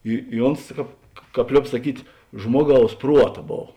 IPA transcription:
ɪ ɪ ˈoːns ˈkɑːp ˈkɑːp ˈlʲoːp sɐˈkʲiːtʲ ˈʒmuɔˌɡɐʊs ˈpruɔtɐ ˈboːw

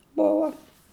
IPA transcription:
ˈboːʋɐ

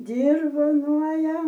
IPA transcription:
dʲɪrʋoːˈnuɔjɛ

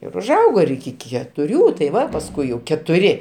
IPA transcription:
ɪr ʊʒˈɐʊɡoː ɪr ɪkʲɪ kʲɛtʊˈrʲuː tɐɪ ˈʋɐ pɐsˈkʊɪ jɛʊ kʲɛtʊˈrʲɪ

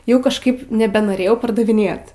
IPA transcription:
ˈjɛʊ kɐʃˈkɐɪp nʲɛbʲɛnoːˈrʲeːjɛʊ pɐrdɐʋʲɪˈnʲeːt

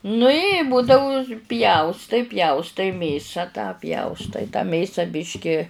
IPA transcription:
nʊ ɪ ˈbʊdɐʊ ˈpʲjɛʊstɐɪ ˈpʲjɛʊstɐɪ ˈmʲeːsɐ tɑː ˈpʲjɛʊstɐɪ tɑː ˈmʲeːsɐ ˈbʲɪʃʲkʲɪ

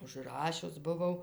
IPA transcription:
ʊʒˈrɑːʃʲʊs bʊˈʋɐʊ

